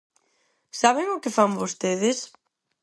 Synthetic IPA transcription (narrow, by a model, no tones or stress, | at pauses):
saβɪŋʊkɪfambost̪eðɪs